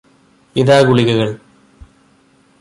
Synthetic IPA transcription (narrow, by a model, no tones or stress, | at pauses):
iðaːɡuɭiɣɐɣɐɭ